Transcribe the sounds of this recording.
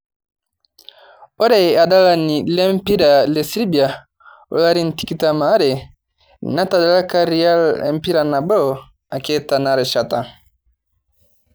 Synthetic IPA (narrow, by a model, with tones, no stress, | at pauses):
ɔ˦ɾɛ˨a˨ɗa˦la˦ni˨lɛ˦m˦pi˦ɾa˨lɛ˨si˦ɾi˦bi˨a˨ | ɔ̰˨la˦ɾi˦n̩˨ti˨ki˦ta˦ma˨˦ɾɛ˨ | na˦ta˨ɗa˨˦la˦ka˦ɾi˨˦a˦lɛ̰˨m̩˨pi˦ɾa˨na˨bɔ˦˨ | a˨kɛ˦ta˨na˨ɾɛ˨ʃa˨ta˨